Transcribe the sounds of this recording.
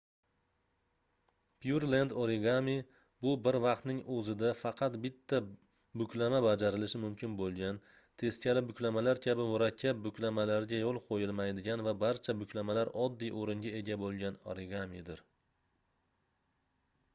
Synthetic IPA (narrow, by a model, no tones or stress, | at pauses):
pʰjuɾland̪oɾeɡami | bʊbɪɾvɑq̚t̪nɪŋʔɵzɪd̪afɑqʰɑt̪bɪt̪ʰːa | bʊkʲlamabad͡ʒaɾɪlɪʃɪmʊmkʲɪnbolˠɡʲan | t̪ʰe̞skʲʰalɪbʊkʲlamalaɾkʲʰabɪmʊɾakʲʰːap̚bʊkʲʰlamalaɾɡʲajɒlˠqʰojɪlˠmajd̪ɪɡʲanvabaɾt͡ʃʰabʊkʲʰlamalaɾɒd̪ːijʔoɾɪŋɡʲae̞ɡʲabolˠɡʲano̰ɾɪɡamid̪ɪɾ